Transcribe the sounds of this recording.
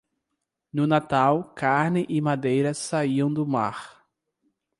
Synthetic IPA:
nʊnat̪awkaɾnɪʔɪmad̪ejɾɐsaiɐ̃w̃d̪ʊma̰ɾ

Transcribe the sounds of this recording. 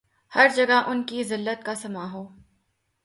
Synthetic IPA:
hɐɾd͡ʒɐɡaʔʊnkizɪlːət̪̚kasɐmaːɦoː

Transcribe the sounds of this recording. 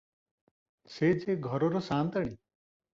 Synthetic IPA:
sed͡ʒeɡʱɔɾɔɾɔsant̪aɽ̃i

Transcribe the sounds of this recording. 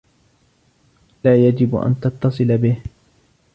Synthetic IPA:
laːjad͡ʒɪbʔa̰nt̪ɑt̪ːɑsˤɨlabɪh

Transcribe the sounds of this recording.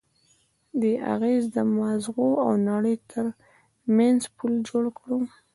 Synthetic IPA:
d̪əʔa̰ɣezd̪əmazɣoawnaɽəjt̪ʰəɾ | manzpʰuld͡ʒoɽkɽu

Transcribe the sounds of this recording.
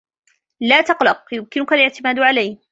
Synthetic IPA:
laːt̪ɑqlɑq̚jʊmkɪnʊkalɪʕt̪ɪmaːd̪ʕalajh

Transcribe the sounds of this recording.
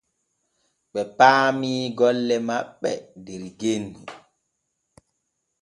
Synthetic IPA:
ɓɛpaːmiːɡɔlːɛmaɓːɛdɛɾɡenːi

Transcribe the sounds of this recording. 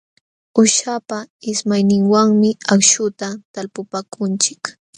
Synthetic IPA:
ʊʃapaɪsmajnɪŋwaŋmɪakʃʊt̪at̪alpʊpakʰʊnt͡ʃɪ̥k

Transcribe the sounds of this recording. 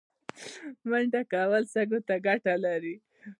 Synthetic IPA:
məɳɖakawalsaɡot̪aɡaʈalaɾi

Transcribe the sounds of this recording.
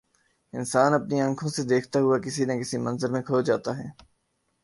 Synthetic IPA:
ɪnsaːnɐpniɐ̃ŋkʰõsed̪eːkʰt̪aɦʊakɪsinẽkɪsimɐ̃nzəɾmẽkʰoːd͡ʒaːt̪aɦɛː

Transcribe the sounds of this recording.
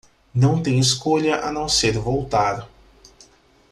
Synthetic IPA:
nɐ̃w̃t̪ẽj̃ɪskoʎɐʔɐnɐ̃w̃seɾvowt̪aɾ

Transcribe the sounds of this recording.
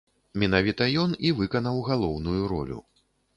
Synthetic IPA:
mʲinavʲit̪ɐjɔnivɨkɐnɐwɣalˠɔwnujuɾɔ̰lʲṵ

